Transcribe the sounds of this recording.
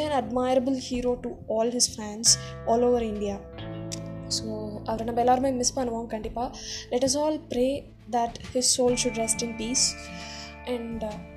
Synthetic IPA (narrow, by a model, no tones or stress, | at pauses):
æ̃nɐɖmaɪɾəbəlhiːɾoːʈuɔːlɦɪz̥fæ̃nɖs | ɔːloːʋəɾɪ̃ɳɖia | soːaʋɾɐnabeːlaːɾmãjmɪspanʋãːmkɐ̃ɳʈipalɛʈɐs̬ɔːlpɾeː | d̪æʈhɪzsoːlʃʊɖɾɛsʈɪ̃npiːs | ʔɛ̃ɳɖ